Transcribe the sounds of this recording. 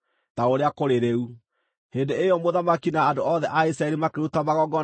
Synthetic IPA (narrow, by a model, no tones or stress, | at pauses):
taoɾeakoɾeɾeu | heːndeejɔmoðamakinaːdoɔðɛʔaisɾaɛɾimakeɾutamaɣɔɡɔ